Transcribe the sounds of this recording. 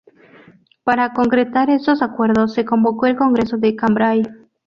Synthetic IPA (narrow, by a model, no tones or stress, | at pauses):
paɾako̞ŋkɾet̪aɾe̞st̪o̞sakwe̞ɾðosːe̞ko̞mbo̞ko̞elko̞ŋɡɾe̞soðekambɾaj